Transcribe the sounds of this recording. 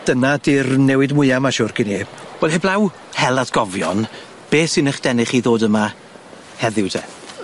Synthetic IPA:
d̥ənadɪrnɛwɨdmʊɨamaʃʊrkineːb̥wɛlˠheblˠaw | hɛlˠadɡ̥ɔvjɔ̰n | b̥eːsɪnəχd̥ɛnɪχiðoːdəma | hɛðɪwdɛ̰

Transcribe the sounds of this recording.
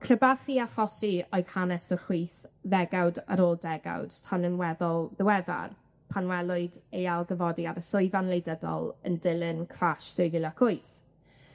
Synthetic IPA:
kʰrəbaθiaχɔsiɔɨkʰanɛsəχiːθðɛɡawdaɾoːlˠdɛɡa̰wd̥tʰanənwɛðɔlˠðəwɛða̰r | pʰanwɛlˠʊɨdejalˠɡəvɔdiaɾəsʊɨvanlejdəðɔ̰lˠə̰ndɪlˠɪnkʰraʃsejvɪlˠakʰʊɨθ

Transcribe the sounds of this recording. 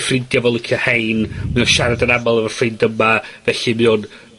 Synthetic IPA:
frɪndjavɛlˠɪkʰjɔhejnmɨunʃaɾadənamalˠəvər̥frɪndəmavɛɬɪmɪun

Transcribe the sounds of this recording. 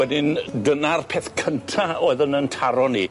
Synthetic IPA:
wɛdɪnɡənarpʰeːθkʰəntʰaoːɨðənəntʰaɾɔni

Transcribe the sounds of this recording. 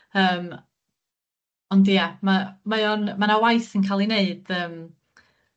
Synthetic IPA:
əːm | ɔndijamamaɔnmanawajθənkʰaːlˠineɨd̥əːm

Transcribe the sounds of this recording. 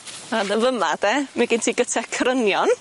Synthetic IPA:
anəvəmad̥ɛmɛɡɪntʰiːɡətʰɛkʰrənjɔn

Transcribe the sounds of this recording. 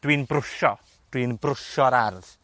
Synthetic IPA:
d̥winbrʊʃɔ | d̥winbrʊʃɔɾarð

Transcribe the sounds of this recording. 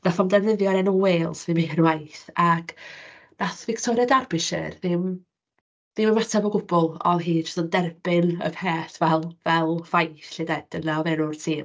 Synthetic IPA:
nafɔmdɛvnɪðjɔɾɛnɔweːlˠsðɪmiənwajθaɡ̥naθvɪktʰɔɾjadarbɪʃɛ̰rðɪm | ðɪmənmatʰabɔɡʊbɔlˠɔ̰ðɦiːʊ̥stɔndɛrb̥ɪnə̰kʰɛːθvɛlˠvɛlˠvajθɬɪdɛd̥ənaɔðɛnʊrtʰiːm

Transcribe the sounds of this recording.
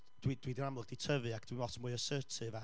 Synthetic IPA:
d̥wid̥wiːdinamlˠəɡd̥itʰəvɨakʰd̥winɔtʰənmuɨəsəːtʰɨva

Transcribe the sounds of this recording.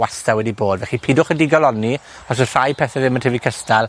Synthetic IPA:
astawɛdiboːdvɛχipʰidʊχədiɡɔlɔni | ɔs̬ər̥ajpʰɛθɛðɪməntʰɪvikʰəstalˠ

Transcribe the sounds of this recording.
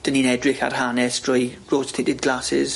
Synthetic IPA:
d̥əninɛdrɪxa̰rhanɛsd̥rɔjroːdstʰɪtɪdɡlasɪ̰z̥

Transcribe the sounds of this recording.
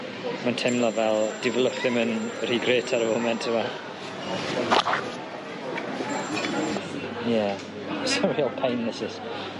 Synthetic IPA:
mantʰɛmlˠavɛlˠd̥ɪvlˠəθɪmənr̥iɡɾeːtʰaɾəvomɛntʰɪma | jɛ | sɔɹiɔlˠpʰajnːɛsɪs

